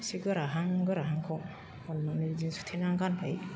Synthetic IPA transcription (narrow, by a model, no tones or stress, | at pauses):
siɡɯɾaɦaŋɡɯɾaɦaŋkʰɔŋ | ɔnːɯniɾzinsu̥tʰinaŋɡanbʰaj